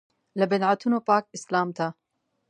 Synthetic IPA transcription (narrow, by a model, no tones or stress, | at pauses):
lɨbɛnʕat̪ʰunoːpaːk̚ɪslaːmt̪ʰa